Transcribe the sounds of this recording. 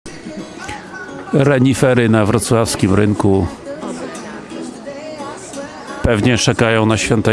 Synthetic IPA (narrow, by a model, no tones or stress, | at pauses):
ɾɛɲifɛɾɘnavɾɔt̪swafskʲimɾɘŋku | pɛvɲɛt͡ʂɛkajɔ̃w̃naɕfʲjɔnt̪ɛ